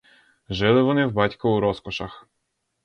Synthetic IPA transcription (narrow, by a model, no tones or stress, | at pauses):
ʒɪlˠɪʋɔnɪwbɑtʲkʊuɾɔskɔʃɐx